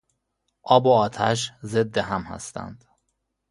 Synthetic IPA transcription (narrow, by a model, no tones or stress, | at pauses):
ʔɒːboɒːt̪ʰæ̰ʃ̬ze̞d̪ːeɦæmhæ̰st̪æ̰nd̪̥